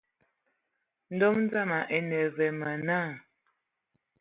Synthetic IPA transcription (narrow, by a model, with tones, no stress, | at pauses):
n̩˦dɔ˦mn˦d͡za˦˨ma˨ʔɛ˨nɛ˨vɛ˨mə˨na˦˨